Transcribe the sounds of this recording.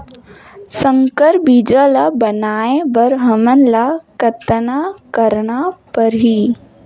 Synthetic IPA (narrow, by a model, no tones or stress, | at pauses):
sə̃ŋkəɾbid͡ʒəlabənaːẽbəɾɦəmənlakət̪ənakəɾnapɐɾɦi